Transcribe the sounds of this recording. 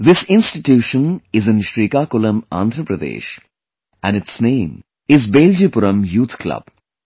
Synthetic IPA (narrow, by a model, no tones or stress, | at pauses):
ðɪsɪ̃nsʈɪʈjuːʃə̃nɪzɪ̃nʃɾiːkaːkʊlə̃mã̰ːnd̪ʱɾəpɾəd̪ḛːʃ | æ̃nɪʈsnẽːm | ɪzbeːld͡ʒipʊɾə̃mjuːt̪ʰklɐ̰b̥